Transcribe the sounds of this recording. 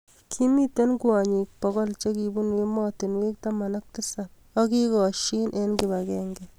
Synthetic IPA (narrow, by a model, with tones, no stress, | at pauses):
kʰi˦mi˦te˦nkuwa˨ɲi˨k̚pɔ˦kɔ˦lt͡ʃe˦ki˨bu˦nwi˦mɔtɪ˨nwi˦k̚tama˨nak̚tɪsa˨p̚ | ɔ˦ki˦kɔ˨ʃi˦nʔenki˨bakɛŋɡɛ